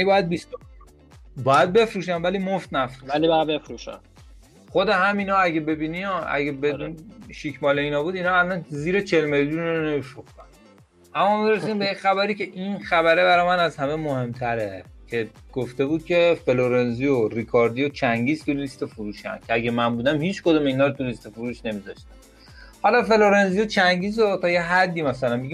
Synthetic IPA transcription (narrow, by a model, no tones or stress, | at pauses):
ibɒːjæd̪̚bist̪ | bɒjæd̪̚be̞fɾuːʃænvæliːmoft̪næfɾuælibjbefɾuʃæ̰ | χo̞d̪eɦæminɒːæɡebe̞biːniɒʔæ̰ɟebenʃikʰmɒːleiːnɒːbuːd̪iːnɒːælːænziːɾet͡ʃʰe̞lme̞ljunonemifɾuxt̪æn | ʔæmːɒːmiɾesid̪imbejexæβæɾiːce̞ʔinxæβæɾebæɾɒːjmænæzhæmemohe̞mt̪ʰæɾe | cʰe̞ | ɡ̥oft̪e̞buːd̪̥̚cʲʰe̞feloɾenzijorikʰɒɾd̪ijot͡ʃʰæŋɟiːzt̪ulist̪ofuɾuːʃæ̰ncʲʰeæɡʲemænbuːd̪æmhiːt͡ʃʰkod̪omeiːnɒːɾot̪ʰulist̪efuɾuːʃne̞mizɒʃt̪æn | hɒlɒːfe̞loɾenzijot͡ʃʰæŋɟiːzot̪ʰɒːjeɦæd̪ːiːmæsælænbeɡi